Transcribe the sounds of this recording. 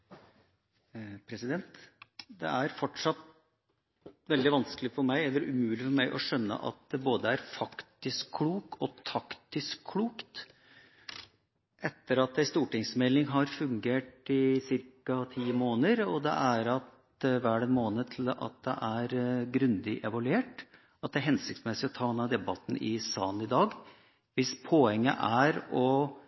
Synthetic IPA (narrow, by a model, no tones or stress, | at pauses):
pʰɾɛsɪd̪ɛnt̪d̪ɛ̰ʔæɾfɔʈʂɑt̪ | ʋɛld̪ɪʋɑnskəlɪfɔɾmæɪɛlːəɾʉmʉːlɪfɔɾmæɪʔɔʂœnːə̰ʔɑ̰t̪̚d̪ɛboːd̪əæɾfɑkt̪ɪskʰːluːkɔt̪ʰɑkt̪ɪskʰːluːkt̪ | ʔɛt̪ːəɾɑt̪̚d̪æɪst̪uːʈɪŋsmɛlːɪŋɦɑɾfʉŋɡeːʈɪsɪɾkɑt̪ʰiːəmoːnəɾɔd̪ɛ̰ʔæɾɑt̪ | ʋæːɖɛnmoːnət̪ʰɪlɑ̰t̪̚d̪ɛ̰ʔæɾɡɾʉnd̪ɪʔɛʋɑlʉeːʈ | ɑt̪̚d̪ɛæɾɦɛnsɪk̚t̪smɛsɪɔt̪ʰɑːɛnːɑd̪ɛbɑt̪n̩ʔɪsɑːnɪd̪ɑːɡ | ʋɪspʰoɛŋːə̰ʔæɾɔ